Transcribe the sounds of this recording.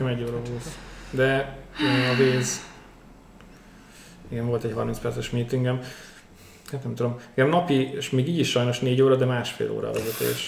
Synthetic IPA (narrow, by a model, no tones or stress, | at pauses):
ɛmɛɟːoːɾɒɦolsd̪ɛ | ɒveːz | iɡɛɱvo̞lt̪ɛchɒrminspɛrt̪sɛʃmiːt̪iŋɡɛm | at̪nɛmt̪ud̪omɛŋɡɛmnɒpiʃmeːɡiːɟiʃʃɒjno̞ʃneːɟoːɾɒd̪ɛmaːʃfḛːlʔo̰ːɾɒ̰vɛzɛt̪ḛːʃ